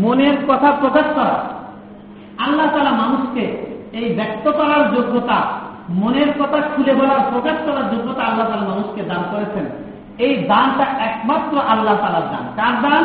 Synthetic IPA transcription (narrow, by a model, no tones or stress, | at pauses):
moneɾkɔt̪ʰapɾokaʃkɔɾa̰ | alːaɦot̪aːlaɾmanuʃkeejbɛk̚t̪ot̪ɔɾaɾd͡ʑoɡːot̪a̰moneɾkɔt̪ʰakʰulebɔlaɾpɾokaʃkɔɾaɾd͡ʑoɡːot̪aalːaɦt̪alaɾmanuʃked̪ankoɾet͡ɕʰen | ejd̪anʈaʔɛkmat̪ɾoʔalːaɦt̪alaɾd̪a̰nkaɾd̪an